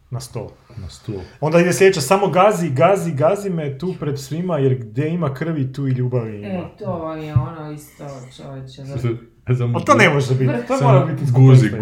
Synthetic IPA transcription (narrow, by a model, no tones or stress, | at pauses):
nast̪o̰l | nast̪oo̞nd̪aid̪eslʲʎeet͡ʃasamo̞ɡaziɡaziɡazimet̪uːpɾed̪sʋimajeɾɡd̪ʲjeimakr̩ʋit̪uːiʎuːbaʋit̪olijɛonoist̪ot͡ʃoʋet͡ʃɛ | samat̪onemoʒt̪ebit̪t̪ooɾabit̪iɡuzi